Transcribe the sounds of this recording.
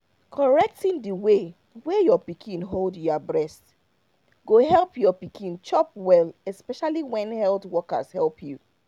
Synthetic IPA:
kʰɔɹɛk̚tĩndiwe | wɛjɔpikʰĩnɦoldjɔbɹɛst | ɡoɦɛlˠpjɔpikʰĩnt͡ʃɔpwɛlɛspɛʃaliwɛ̃nhɛltwɔka̰shɛlpʰju

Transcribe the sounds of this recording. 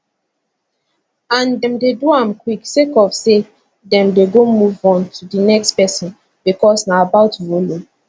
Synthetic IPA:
ãndɛ̃mdeduãmkwiksekɔvse | dɛ̃mdeɡomuvɔ̃ntʰudinɛkspɛsɔ̃n | b̥ikɔsnaabaʊtvolo

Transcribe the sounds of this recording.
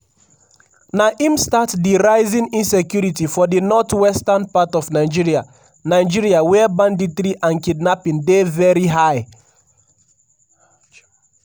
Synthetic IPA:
naʔimstatdiɹaɪzĩnĩnsɛkjuɹitifɔdinɔtwɛstanpatɔfnaɪd͡ʒiɹia | naɪd͡ʒiɹiawɛbãndiθɾiʔãnkidnapĩndevɛɹiɦaɪ

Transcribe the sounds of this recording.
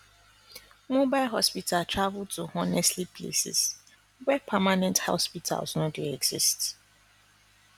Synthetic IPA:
mobaɪlɦɔspitʰaltɹavltuɔnɛstlipʰlḛsḭs | wɛpʰamanɛ̃ntha̰spitʰa̰lˠsnoduɛɡz̥ist

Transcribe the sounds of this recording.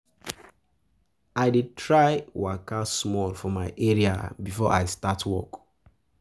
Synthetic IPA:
aɪditʰɹaɪwakasmɔlfɔmaɪʔɛɹia̰bifɔʔa̰ɪstatʰwɔ̰k

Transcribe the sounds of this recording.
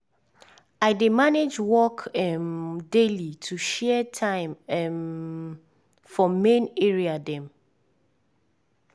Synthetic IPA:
aɪdemaned͡ʒwɔkɛmdelitʰuʃɛtʰãɪ̃mɛ | fɔmẽneɹiadɛ̃m

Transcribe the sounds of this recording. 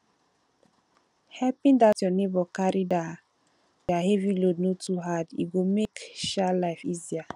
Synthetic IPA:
hɛlpĩndatjɔnebɔkaɾida | jahɛvilodnotuɦadḭɡomekʃalaɪfizia

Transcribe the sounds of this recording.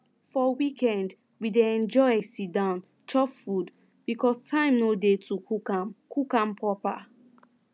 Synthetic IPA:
fɔwikɛ̃nd | wideɛ̃nd͡ʒɔɪɛsidãʊ̃n | t͡ʃɔpfud | b̥ikʰɔstʰãɪ̃mnodetʰukuakukãmpʰɔpa̰

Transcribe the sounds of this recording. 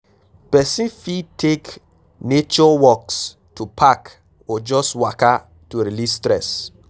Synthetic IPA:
pɛsĩfitʰek | net͡ʃɔwɔks | tupʰak | ɔd͡ʒɔswaka | tuɾilistɾɛs

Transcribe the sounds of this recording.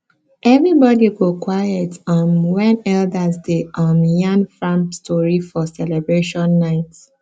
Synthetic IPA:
ʔɛvɹibɔdiɡokwajɛtɔ̃nwɛ̃nɛldazdeʔɔ̃njãnfɹãmpstʰɔɹifɔsɛlɛbɹeʃɔ̃nːaɪts

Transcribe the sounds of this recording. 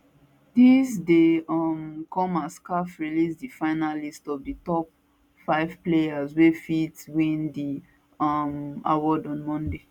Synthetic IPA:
disdeɔmkɔ̃maskafɹilisdifaɪnalistɔvditɔp̚ | faɪv̥plejazwefitwĩndi | ɔma̰wɔdɔ̃nmɔ̃nde

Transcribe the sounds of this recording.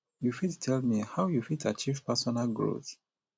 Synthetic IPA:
jufittʰɛlmihawjufidat͡ʃivpɛsɔnalɡɹo̰θ

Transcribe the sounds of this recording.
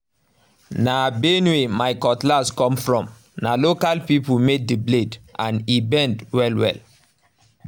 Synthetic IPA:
nabenwemaɪkɔtlaskɔ̃mfɹɔ̃m | nalokalpipumed̚dəbledʔãnibɛ̃ndwɛlwɛ̰l

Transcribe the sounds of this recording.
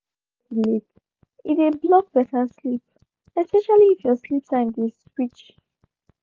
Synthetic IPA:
lik | iteblɔk̚b̥ɛtʰəslip̚ | ɛspɛʃaliːfjɔslip̚sãndiswit͡ʃ

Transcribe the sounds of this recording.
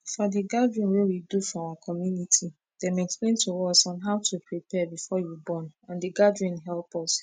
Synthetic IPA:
fɔdiɡadɹĩnwewidufɔ̃awakʰɔmjunitʰi | d̥ɛ̃mɛksplẽntuɔsɔ̃nɦaʊtʰupʰɹipʰɛbifɔjubɔ̃nãndiɡadɹĩnɦɛlpɔs

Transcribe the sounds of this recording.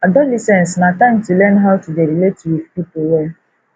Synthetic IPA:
adɔlisɛ̃nsnatãmtulɛnɦaʊtudeɾiletuwifpipowɛ

